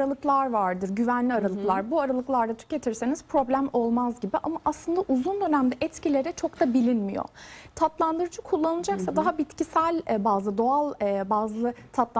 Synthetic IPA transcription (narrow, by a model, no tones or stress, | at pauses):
ɾalˠɯklˠaɾvaɾd̪ɯɾɟyvænlʲiaɾalˠɯklˠaɾbuaɾalˠɯklˠaɾd̪at̪ʰy̥ce̞t̪ʰiɾseniz̥pʰɾo̞blʲæmo̞lˠmazɟibiʔa̰maʔaslˠɯnd̪aʔuzund̪ø̞næmd̪ɛʔɛt̪cilʲe̞ɾɛt͡ʃʰo̞kt̪abilʲinmḭjo̰t̪ʰat̪lˠand̪ɯɾɯd͡ʒɯkʰulˠːanɯnˠd͡ʒaksad̪aɦabit̪cisælʲbaːzlˠɯd̪o̞alˠbaːzlˠɯt̪ʰat̪lˠ